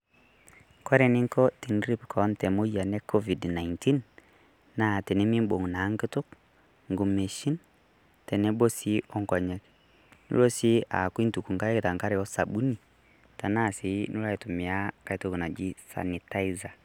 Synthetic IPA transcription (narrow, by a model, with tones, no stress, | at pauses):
kɔ˦ɾɛ˨ni˦ŋkɔ˦ti˨n˦ɾi˦pkʰɔ˨˦ntɛ˨mo˦ja˨nɛ˦kːo˦vi˨dna˨nti˦nː | a˨tɛ˨nɛ˦mi˦mbo˨ŋ˨na˨˦ŋɡɪ˦tʊ˦k | ŋ˨ɡu˨me˨ʃi˦n | tɛ˨nɛ˦bo˦si˦ɔ˦ŋkɔ˨ɲɛ˨k | nṵ˦lo˦si˦a̰˨ku˦i˦ntu˨ku˨ŋka˦kta˨ŋka˦ɾɛ˨jɔ˦sa˨bu˦ni˨ | ta˨na˦˨si˨˦nu˦ɾa˦jtu˨mi˨a˦ka˨jtu˦ku˨na˨d͡ʒi˦sa̰˨ni˨ta˦i˦za˨